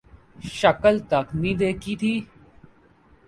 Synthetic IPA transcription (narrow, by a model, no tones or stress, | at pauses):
ʃɐkəlt̪ɐknĩd̪eːkit̪ʰiː